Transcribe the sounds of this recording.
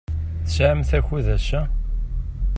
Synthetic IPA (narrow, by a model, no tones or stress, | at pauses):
θəsʕəmθæçuðæʃæ